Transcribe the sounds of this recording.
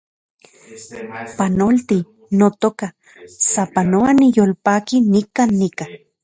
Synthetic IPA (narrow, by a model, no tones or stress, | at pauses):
panolt̪i | not̪oka | sapanoanijolpaːkinikaːnːika